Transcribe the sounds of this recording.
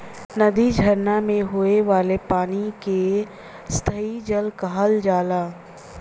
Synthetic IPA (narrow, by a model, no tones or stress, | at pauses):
nɐd̪id͡ʒʱɐɾnamẽɦoːeʋaːlepaːnike | st̪ʰəid͡ʒəlkəɦəld͡ʒaːlaː